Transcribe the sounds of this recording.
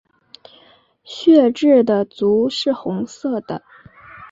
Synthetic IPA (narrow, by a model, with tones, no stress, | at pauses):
ɕɥɛ˥˧ʈ͡ʂɻ̩˥˩d̪ə˩t͡su˧˥ʂɻ̩˥˩xʊ˧˥ŋsɤ˥˩d̪̥ə̰˩